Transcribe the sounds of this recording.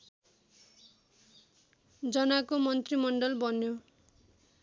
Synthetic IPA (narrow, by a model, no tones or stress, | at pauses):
d͡zʌnakomʌnt̪rimʌɳɖʌlbʌnjo